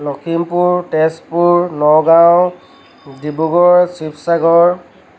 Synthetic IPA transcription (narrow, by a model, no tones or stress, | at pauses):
lɔkʰimpuɹtɛspuɹnɔɡaw | dibuɡɔɹsipʰsaɡɔɹ